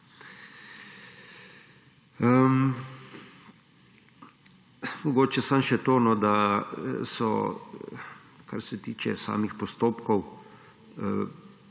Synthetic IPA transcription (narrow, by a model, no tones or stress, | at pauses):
mɔɡoːt͡ʃɛsanʃɛt̪oːnɔd̪a | sɔ̰ | ka̰ɾsɛt̪iːt͡ʃɛ̰sa̰ːmixpɔst̪oːpkɔw